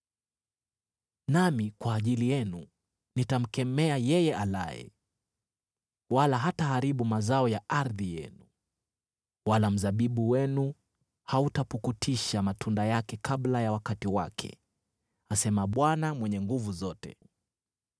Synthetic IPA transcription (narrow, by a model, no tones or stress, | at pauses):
namikwaːʄilijɛnu | nitam̩kɛmɛajɛjɛʔala̰jɛ̰ | walaɦataɦaɾiɓumazaɔjaʔaɾðijɛ̰nu | walam̩zaɓiɓuwɛnu | hautapukutʰiʃamatʰundajakɛkʰaɓlajawakatiwakʰɛ̰ | asɛmaɓwanamwɛɲɛŋɡuvuzɔtɛ̰